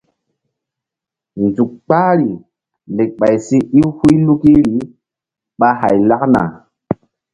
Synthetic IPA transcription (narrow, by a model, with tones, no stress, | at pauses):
nzu˨k̚k͡paː˦ɾi˨ | le˨k̚ɓa˨jsi˦i˦hu˦jlu˦ki˦ɾi˨˦ | ɓa˦ɦa̰˨jla˦kna̰˨